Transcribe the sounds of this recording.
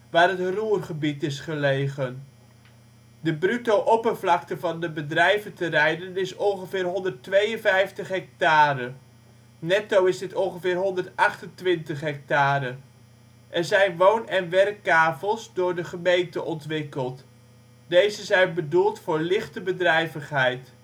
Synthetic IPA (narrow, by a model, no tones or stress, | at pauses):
ʋaːrɦətruːrχəbitɪsχəlejχən | dəbrytowʔɔpərvlɑktəvɑndəbədrɛjvəntərɛjdənɪsɔnχəvɪːrɦɔndərtʋejənvɛjftəχɦɛk̚taːɾə | nɛtowɪzdɪtɔŋχəvɪːɹɦɔndəɹtɑχtəntʋɪntəχɦɛk̚taːɾə | ʔɛɹzɛjnʋownɛnʋɛrkːaːvəlˠsdʊːɹdəχəmejntəʔɔntʋɪkəlˠt | dejzəzɛjnbədulˠtfʊːɹlɪχtəbədrɛjvəχɦɛjt